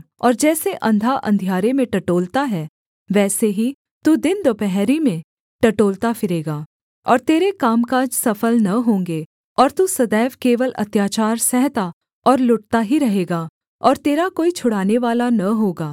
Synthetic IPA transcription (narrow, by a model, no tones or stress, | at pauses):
ɔːɾd͡ʒɛːseʔɐ̃nd̪ʱaʔɐ̰̃nd̪ʱijaːɾemẽʈɐʈoːlt̪aɦɛː | ʋɛːseɦi | t̪uːd̪ɪnd̪oːpɛɦɾimẽ | ʈɐʈoːlt̪afɪɾeːɡaː | ɔːɾt̪eːɾekaːmkaːd͡ʒsɐfəlnɐɦõːŋɡe | ɔːɾt̪usɐd̪ɛːʋkeːʋəlʔɐ̰t̪jaːt͡ʃaːɾsɛɦt̪a | ɔːɾlʊʈ̚t̪aɦiɾɐɦeːɡaː | ɔːɾt̪eːɾakoːit͡ʃʰʊɽ̤aːneʋaːlanɐɦoːɡaː